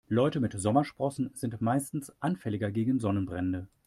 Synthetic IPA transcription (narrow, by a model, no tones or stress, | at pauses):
lɔʏtəmɪtz̥ɔmɐʃpʁ̥ɔsn̩z̥ɪntmaɪstn̩sʔanfɛlɪɡɐɡeːɡŋ̩zɔnənbʁɛndə